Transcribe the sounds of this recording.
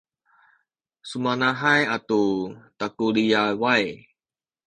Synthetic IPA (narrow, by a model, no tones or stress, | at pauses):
sumanaɦajatutakuliawaj